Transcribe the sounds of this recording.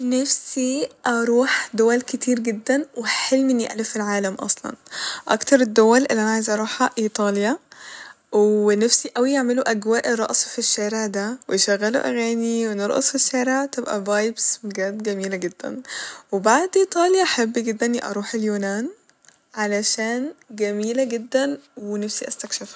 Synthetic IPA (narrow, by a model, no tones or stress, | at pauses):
næfsiʔɑɾˤuːħd̪owælkɪt̪ʰiːɾɡɪd̪ːænweħelmʔɪnːjeʔlefilʕaːlæmʔɑ̰sˤlɑ̰nʔɑ̰kt̪ɑɾˤed̪ːowælʔelːʔænaʕajzʔɑɾˤuːħæʔiːt̪ˤɑːlja | wenafsiʔæwijeʕmɪluʔæɡwaːʔeɾˤːɑ̰ʔsˤfiʃːæːɾeʕd̪æweʃæɣːælo̰ʔæ̰ɣæːniweneɾˤʔɑ̰sˤfiʃːæːɾeʕt̪ebʔæ̰vɑːjbsmɡæːd̪ɡæmiːlæɡed̪ːæ̰nwebaʕd̪ʔiːt̪ˤɑːljɑʔħabːiɡed̪ːænːiʔɑ̰ɾˤuːħeljuːnæːn | ʕalæʃæːnɡæmiːlæɡed̪ːænwenæfsiʔæst̪ækʃef